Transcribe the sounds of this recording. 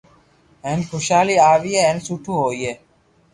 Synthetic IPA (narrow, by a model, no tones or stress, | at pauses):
ɦeːnxʰoʃaːliːaːʋiːɦeːeːnsuːʈʰũːɦoːiːɦeː